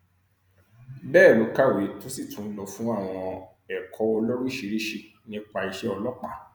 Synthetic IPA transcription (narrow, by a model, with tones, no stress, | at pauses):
bɛː˦˨lo˨˦ka˦˨we˨˦to˦si˦˨tũ˨˦n̩˦lɔ˧˦fũ˦a˦˨w̃ɔ̃˧ | ɛ˨kʰɔ˨˦ɔ˧lo˦ɾu˦i˦ʃi˧ɾi˦ʃi˧ | nĩ˦k͡pa˧i˧ʃɛ˧˦ɔ˧lɔ˦k͡pa˦˨